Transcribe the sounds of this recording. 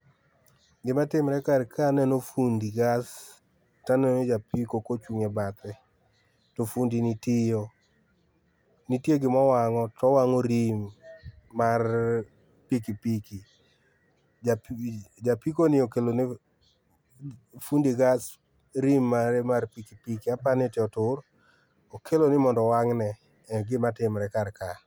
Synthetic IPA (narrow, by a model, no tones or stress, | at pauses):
ɡɪmatɪmɾɛkarkʰanɛnofundiɡas | tanɛned͡ʒapikokot͡ʃuŋebat̪ɛ | tofundinitɪjo | nitjeɡɪmɔwaŋɔtɔwaŋoɾimː | ar | pikipiki | ad͡ʒapikonɪokelone | fundiɡas | ɾimːaɾɛmarpikipikiapanɪtɪɔtʊr | okʰelonɪmɔndɔwaŋnɛ | ɛɡɪmatɪmɾɛkarka